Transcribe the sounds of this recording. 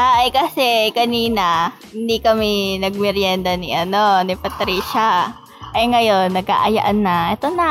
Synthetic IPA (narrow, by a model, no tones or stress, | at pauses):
ʔajkɐsɛkɐniːnɐ | hɪnd̪ikɐminɐɡ̚mɪɾjɛnd̪ɐniʔɐno̞nɪpɐt̪ɾiːʃɐ | ʔɐŋɐjo̞nːɐɡ̚a̰ʔɐja̰ʔɐnːɐʔɛt̪onɐ